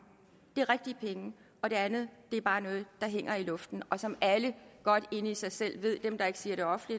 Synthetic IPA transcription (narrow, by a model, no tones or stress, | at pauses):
d̥e̝æʁɛɡ̥̚d̥iəpʰeŋə | ɒ̽d̥e̝ænð̩ˠd̥e̝æɐb̥ɑ̈ːnɔ̽ːð̞̩ˠd̥ɑ̈ɦeŋ̰ɐilɔ̽fd̥n̩ɒ̽sɒ̽mʔæləɡ̥ɒ̽d̥e̝nəisɑ̈ɪsel̰ʋ̝ð̞̰ˠd̥emd̥ɑ̈e̝ɡ̥ə̥siːɐɾe̝ɒ̽fn̩lid̥